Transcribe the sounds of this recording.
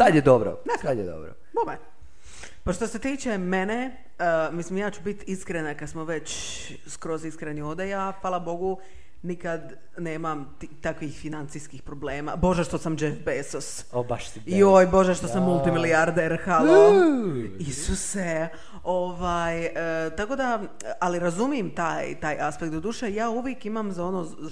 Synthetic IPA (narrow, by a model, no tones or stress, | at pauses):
t̪ad̪jed̪obɾo̰net̪ad̪jed̪o̰bɾo̰ | bome | paʃt̪ose̞t̪iːt͡ʃemene | əmislimjaːt͡ɕubit̪iskɾenakad̪smoʋe̞t͡ɕ | skɾo̞ziskɾeniod̪ejafaːlˠabo̞ɡu | nikad̪ | neːmamt̪it̪akʋixfinant̪siskixpɾobleːma̰bo̞ʒaʃt̪osamd͡ʒefbesos | obaʃ | iojbo̞ʒeʃt̪osamːulˠt̪imiliaɾd̪eɾxa | isuse | o̞ʋaːjət̪ako̞d̪a | aliɾazumijemt̪aːjt̪aːjʔaspekt̪d̪od̪uːʃejaːuʋjekimamzao̞noː